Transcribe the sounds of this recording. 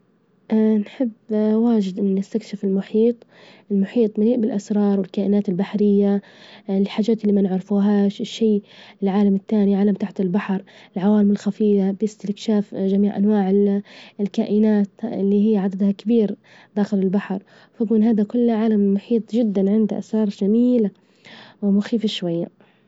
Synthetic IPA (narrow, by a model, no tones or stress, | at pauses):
ʔanħɪbːwaːd͡ʒɪd̪ʔɪnːɪst̪akʃɪfɪlmʊħiːt̪ˤʔɪlmʊħiːt̪ˤmaliːʔbɪlʔasɾˤɑːɾˤwɪlkaːʔɪnaːt̪ɪlbaħɾɪjːa | lħaːd͡ʒaːt̪ɪlːiːmanɪʕɾɪfuɦaːʃɪʃːiːɪlʕaːlamɪt̪ːaːniʕaːlamt̪aħt̪ɪlbaħɾˤɪlʕawaːlɪmɪlxafiːfabɪst̪ɪkʃaːfd͡ʒamiːʕʔa̰nwaːʕɪlkaːʔɪnaːt̪ɪ̰lːiːɦɪjːʕad̪ad̪hakɪbiːɾ | d̪̥aːxɪlɪlbaħɾˤ | fakuːnɦaːðakʊlːʕaːlamːʊħiːt̪ˤʒɪd̪ːanʕɪnd̪aʔa̰sɾˤɑːɾˤd͡ʒamiːla | wɪmʊxiːfaʃwajːa